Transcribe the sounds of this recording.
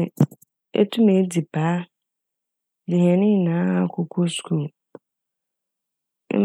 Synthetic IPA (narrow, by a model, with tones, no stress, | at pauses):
ɛ̰˦tʰũ˦me˨˦di˨bʰaː˨˦ | dɪ˨hɛ̃˨nɪ̃˦˨nã˨˦a˨kʰɔ˨kʰo˦skʰu˦˨˦